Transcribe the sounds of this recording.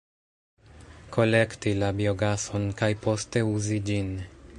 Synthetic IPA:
kʰo̞le̞ktilabio̞ɡaso̞nkajpo̞ste̞uzid͡ʒin

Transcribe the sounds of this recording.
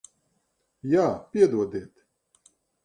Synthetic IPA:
jaːpʲiɛd̪uɔd̪eːt̪

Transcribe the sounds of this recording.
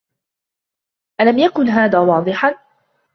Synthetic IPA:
ʔalamjakʊnɦaːðaːwɑːd̪ˤɨħan

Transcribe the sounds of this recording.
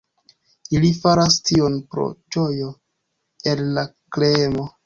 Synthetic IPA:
ilifaɾastio̞npɾo̰d͡ʒo̞jo̞ | elːaklemo̞

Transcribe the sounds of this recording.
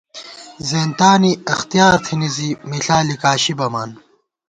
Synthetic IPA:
zeːnt̪aːniɐxt̪ijaːɾt̪ʰinizimiɬaːlikaːɕibɐmaːn

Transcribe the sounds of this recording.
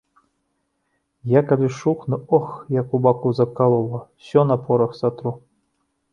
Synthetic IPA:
jakalʲiʃuknɨɔxjakubakuzakalˠolˠɔsʲɔnapʰoɾɐxsat̪ɾu

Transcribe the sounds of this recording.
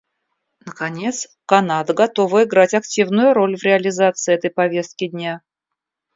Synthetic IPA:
nəkɐnʲe̞t̪s | kɐnad̪əɡɐt̪o̞vəɪɡɾatʲɐktʲivnʊjʊɾo̞lʲvɾʲɪɐlʲɪzat̪sɨɛt̪əjpɐvʲe̞st̪̚kʲɪdʲnʲa

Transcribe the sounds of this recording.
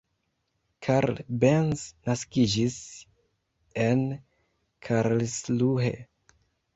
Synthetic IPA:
kʰaɾlbensnaskid͡ʒis | e̞n | kʰaɾlsluɦḛ

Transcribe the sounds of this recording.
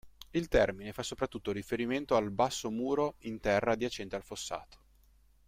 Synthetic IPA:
ilt̪ɛrminefasːopɾat̪ːut̪ːoɾifeɾiment̪oalbasːomuːɾoint̪ɛrːad̪iat͡ʃɛnt̪ealfosːa̰ːt̪o̥

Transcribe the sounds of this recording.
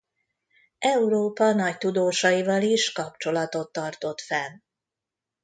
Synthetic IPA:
ɛuɾoːpɒnɒct̪ud̪oːʃɒjivɒliʃkɒp̚t͡ʃo̞lɒt̪o̞t̪ːɒrt̪o̞t̪fɛl

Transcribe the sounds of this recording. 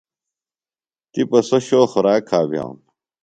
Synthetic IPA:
t̪ipɐsɐɕoːxoɾaːkʰaːbjã̰ːwn

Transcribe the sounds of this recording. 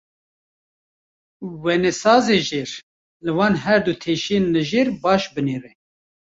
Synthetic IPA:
wɛnɛsɑːzeːʒeːɾ | lɨwɑːnɦɛɾd̪ut̪ʰeːʃijenlɨʒeːɾbɑːʃbɨneːrɛ

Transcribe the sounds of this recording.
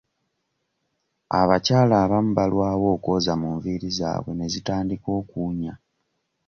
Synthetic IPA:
a̰βacaːlaːβam̩balwaːwo̞ːko̞zamuɱviːɾiza̰ːβwe̞ne̞zitaːndiko̞ːkuːɲa

